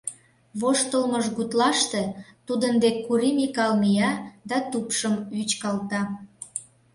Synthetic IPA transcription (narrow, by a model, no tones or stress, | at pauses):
βoʃt̪əlməʒɣut̪lɑʃt̪et̪ud̪ənd̪ekːuɾimikɑlmijɑd̪ɑt̪upʃəmyt͡ɕkɑlt̪ɑ